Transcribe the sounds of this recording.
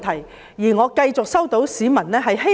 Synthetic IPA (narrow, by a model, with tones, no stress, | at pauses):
t̪ʰɐ˨˩j | jiː˨˩ŋɔː˨˧kɐ˧jt͡sʊ˨k̚sɐ˥wt̪o˨˧˥wsiː˨˥mɐ˨˩nlɛː˥ɦɐ˨jɦe˥